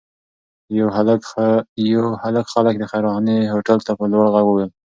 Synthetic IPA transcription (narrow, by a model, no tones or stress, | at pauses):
jhal | jawhaləkxalək̚d̪əxajɾɑneɦoʈalt̪apəlwaɽɣaɡəwel